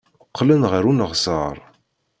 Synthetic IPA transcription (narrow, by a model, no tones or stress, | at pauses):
əqʰːlənʁəɾunəʁsəɾˤ